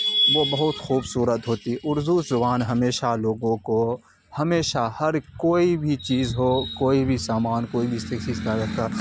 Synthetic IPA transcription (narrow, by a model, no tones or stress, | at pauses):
ʋobɐɦʊt̪xuːbsuːɾət̪ɦoːt̪iʊɾzuzʊbaːnɦɐmeːʃaloːɡõko | hɐmeːʃahɐɾkoːibʱit͡ʃiːzɦoːkoːibʱisaːmaːnkoːibʱiset͡ʃiːzkɐɾɐt̪aː